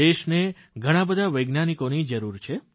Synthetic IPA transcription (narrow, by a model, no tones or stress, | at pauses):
eʃne | ɡʱəɽ̃ãbəd̪ʱaʋəjɡnanikonid͡ʒəɾuɾt͡ʃʰe